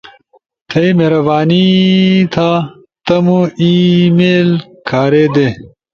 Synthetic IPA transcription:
t̪ʰɐimeɾɐbaːnit̪ʰaː | t̪ɐmuimeːlkʰaːɾeːd̪e

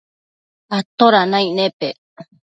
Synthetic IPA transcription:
at̪oɾanãĩnẽpe

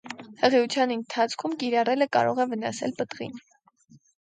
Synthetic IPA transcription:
həʁiut͡sʰjɑnənt̪ʰɑt͡sʰkʰumkiɾɑrɛləkɑ̰ɾɔʁɛvənɑ̰sɛ̰lpət̪ʁḭn

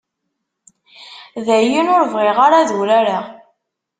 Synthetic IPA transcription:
ðæjinʊɾvʁeʁaɾaðuɾaɾa

